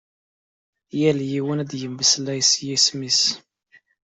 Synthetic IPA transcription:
jæljiwənæd̪jəmbəslːæjsjismis

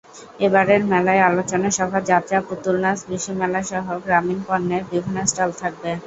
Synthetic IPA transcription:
ebaɾeɾmɛlaealot͡ɕoneʃɔbʱad͡ʑat̪ɾaput̪ulnasbɾiʃomɛlaʃɔɦoɡɾaminpɔnːebibʱinːosʈalt̪ʰak̚be

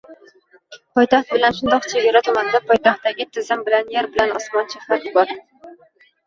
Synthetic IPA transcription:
pʰɒjt̪ʰaχt̪̚bɪlanʃʊnd̪ɒqt͡ʃʰeɡʲaɾat̪ʰʊmand̪apʰɒjt̪ʰaχt̪ːaɡʲɪt̪ʰɪzɪmbɪlanjaɾbɪlanɒsmɒnt͡ʃʰɪχat̪bɒɾ

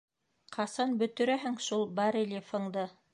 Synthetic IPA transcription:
qʰɑsɑnbɵ̆t̪ɵ̆ɾæɦɘŋʃulˠbɑɾelʲefŏŋd̪ɤ

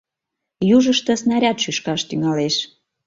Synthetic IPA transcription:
juʒəʃt̪ə̆snɑɾʲɑt̪ʃyʃkɑʃt̪yŋɑleʃ

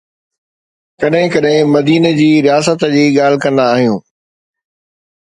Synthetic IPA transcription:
kɐɗɦɪ̃kɐɗɦɪ̃mɐd̪iːnəd͡ʑiːɾijaːsət̪d͡ʑiːɠaːl̤ɪkɐ̃nd̪aːɦijũː

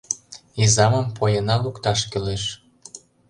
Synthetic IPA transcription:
izɑmə̆mpojɤnɑlukt̪ɑʃkøleʃ

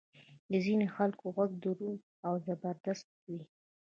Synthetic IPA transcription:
d̪əzinexalkoɣwaɡ̚d̪uɾun | awzabəɾd̪ast̪̚wi

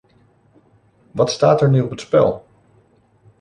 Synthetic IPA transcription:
ʋɑtstaːtɛɹnyɔpətspɛ̰lˠ

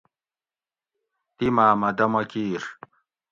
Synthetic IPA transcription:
t̪imaːmɐd̪ɐmɐkiːɾ

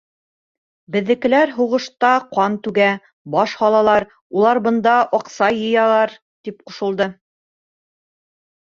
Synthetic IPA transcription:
bɘ̆ðːɘ̆kɘ̆læɾɦuʁɤ̆ʃt̪ɑqɑnt̪ʉɡæ | bɑʃhɑlˠɑlˠɑɾ | ulˠɑɾbɤ̆nd̪ɑʔɒqsɑjɤ̆jɑlˠɑɾ | t̪ip̚qŏʃɤ̆lˠd̪ɤ

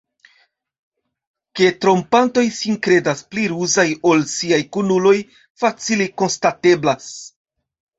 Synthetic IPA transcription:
ke̞tɾo̞mpanto̞jsinkɾe̞daspliɾuzajo̞lsiajkunulo̞j | fat͡siliko̞nstate̞blas

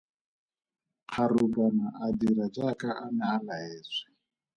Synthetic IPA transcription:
q͡χʰarubanaʔadiɾad͡ʒakaʔanɛalaɛːsʷɛ̥

